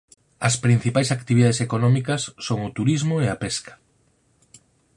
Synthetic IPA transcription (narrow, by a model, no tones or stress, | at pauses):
ɐspɾin̟θipajsakt̪iβiðaðesekonɔmikɐsːoŋʊt̪uɾizmoeapeskḁ